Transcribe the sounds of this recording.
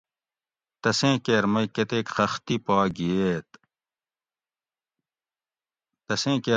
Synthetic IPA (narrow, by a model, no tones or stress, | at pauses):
t̪ɐsẽːkeɾmɐjket̪eːkxɐxt̪ipaːɡijeːt̪̚ | t̪ɐsẽːke